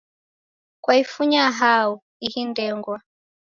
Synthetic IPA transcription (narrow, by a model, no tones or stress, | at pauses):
kwaifuɲaɦau | ihindɛŋɡwa